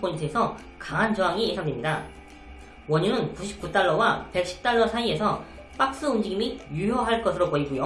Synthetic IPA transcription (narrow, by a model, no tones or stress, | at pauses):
p͈ʰoɲintʰɯe̞sʰʌ | kaŋɦand͡ʑʌaŋiesʰaŋɡemɲida | wʌɲunɯnkuɕʰi̥p̚k͈ut͈aɭːʌwape̞k̚ɕ͈i̥p̚t͈aɭːʌsʰaie̞sʰʌ | p͈ak̚s͈ɯund͡ʑiɡimijujʌɦaɭk͈ʌsʰɯɾopoiɡojo